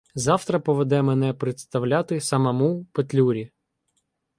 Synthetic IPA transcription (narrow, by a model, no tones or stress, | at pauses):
zɑwt̪ɾɐpɔʋed̪ɛmenɛpɾet̪st̪ɐwlʲat̪ɪsɐmɐmupet̪ʲlʲuɾʲi